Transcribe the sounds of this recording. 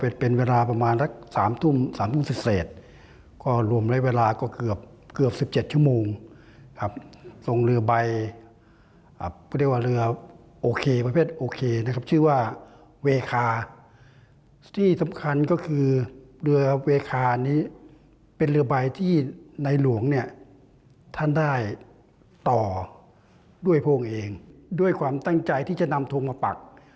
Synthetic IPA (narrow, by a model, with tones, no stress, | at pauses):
pe˨˩tpe˧nweː˧laː˧pa˧maː˧nla˦˧˥k̚saː˩˦mt̪ʰu˥˩msaː˨˦mt̪ʰu˥˨m˨si˨˩p̚sɛː˨˩t̪̚ | kɔː˧˩ɾu˧˩ə˨mla˦˥weː˧laː˧kɔː˧˩kɯ˨˩əp̚ | kɯ˨˩əp̚siː˨˦p̚t͡ɕe˨˩t̪̚t͡ɕʰu˥˩˨moː˧ŋ | kʰa˦˧˥p̚so˧ŋɾɯ˧ɐba˧j | ʔa˨˩˧t̪ʰi˧˩əkwaː˧˨ɾɯ˧ɐ | ʔoː˧kʰeː˧pa˧pʰeː˥˩t̪̚ʔoː˧kʰeː˧na˧kʰa˦˥p̚t͡ɕʰɯː˥˩waː˧˩ | weː˧kʰaː˧ | t̪ʰiː˥˩sa˨˦mkʰa˧nkɔː˥˩kʰɯː˧lɯ˧ɐ˧weː˧kʰaː˧niː˦˥ | pe˧nlɯ˧ɐba˧jt̪ʰiː˥˩na˧jlu˨˩˦əŋni˧˥˩ɐ | t̪ʰa˥˩ndaː˥˩j | t̪ɔː˨˩ | du˥˩əjpʰoː˧˩˨ŋʔeː˧ŋduː˥˩əjkʰwaː˧mt̪a˥˩ŋt͡ɕa˧jt̪ʰiː˥˩t͡ɕa˧˩ʔna˧mt̪ʰo˧ŋmaː˧pa̰˨˩k̚